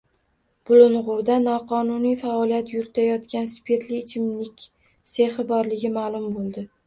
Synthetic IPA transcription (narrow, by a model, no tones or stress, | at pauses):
b̥ʊlʊnʁʊɾd̪anɒqʰɒnʊnijfaɒlijat̪jʊɾɪt̪ʰajɒt̪kʲanspʰe̞ɾt̪lɪːt͡ʃʰɪmlɪkʲ | seχɪbɒɾlɪɡʲɪmaːlˠʊmbolˠd̪ɪ